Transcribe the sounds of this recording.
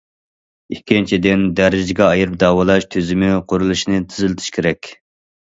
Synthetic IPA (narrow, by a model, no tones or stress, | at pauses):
ikʲʰːint͡ʃʰid̪ɪnd̪æɾɪd͡ʒɪɡʲɛɑjiɾɨp̚d̪ɑːwɑlˠɑʃt̪ʰøzɪmɪqʰoɾulˠɨʃnɨt̪ʰɪzɪlɪt̪ʰɪ̥ʃkʲʰeɾɛkʲ